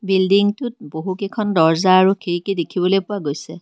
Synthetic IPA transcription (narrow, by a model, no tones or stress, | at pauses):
bildiŋtʊt̚boɦukekʰɔndɔɹzaːɹukʰeɹikedekʰibɔlojpʊwaɡojsɛ